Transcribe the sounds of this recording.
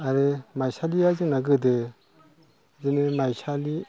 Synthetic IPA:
aɾemajsaliazɯŋnaɡɯdɯ | zinemajsali

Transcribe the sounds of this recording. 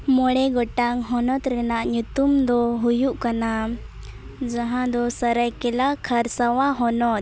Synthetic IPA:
mɔɽɛɡɔʈaŋɦɔnɔt̪ɾɛnaʔɲut̪umd̪ɔɦujuʔkana | d͡ʒaɦãd̪ɔsaɾəjkɛlakʰaɾsawaɦɔnɔt̪̚

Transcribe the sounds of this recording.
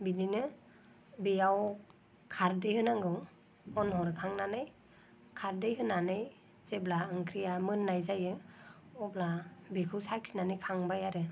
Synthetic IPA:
bidinɯ | bijaw | kʰaɾdɯjhɯnaŋɡɯw | ɔnɦɔɾkʰaŋnanɯj | kʰaɾdɯjɦɯnːanɯj | z̥eblaɯŋkʰɾijamɯnːajzajɯɔblabikʰɯwsakʰinanɯjkʰaŋbajaɾɯ

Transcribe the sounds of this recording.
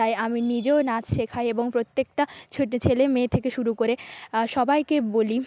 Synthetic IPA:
ajaminid͡ʑeonad͡ʑʃekʰaeeboŋpɾot̪ːek̚ʈat͡ɕʰoʈet͡ɕʰelemeːt̪ʰekeʃuɾukoɾeʃɔbajkeboli

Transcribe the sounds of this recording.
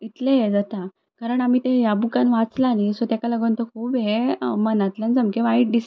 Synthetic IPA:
it̪lejed͡zat̪a | kaɾəɳam̤iːt̪ejabukanʋat͡slanisɔt̪akalaɡənt̪ɔkʰuːbɦemənat̪lənd͡zəmkeʋaiʈ̚ɖis

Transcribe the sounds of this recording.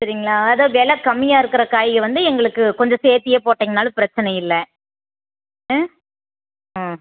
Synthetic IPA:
sɐɾiŋɡɐɭaːɐðoːʋeːlɐkɐmːɪjaːɪɾɯkːɪɾɐkaːjɪɣɐʋɐnd̪ɯɛŋɡɐɭɯkːɯkɔɲd͡ʒɐseːɾt̪ːɪjeːpoːʈːeːŋɡɐnaːlɯpɪɾɐt͡ʃːɐnɐjɪlːɛ

